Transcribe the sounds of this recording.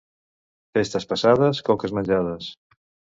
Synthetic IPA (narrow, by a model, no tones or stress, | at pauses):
fest̪ɐspasaðɐskɔkɐzmãnʲʒaðɐs